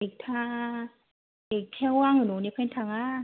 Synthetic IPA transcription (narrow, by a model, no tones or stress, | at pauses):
ek̚t̪ʰa | ekkʰɛwaŋɯnonipʰɛnt̪ʰaŋa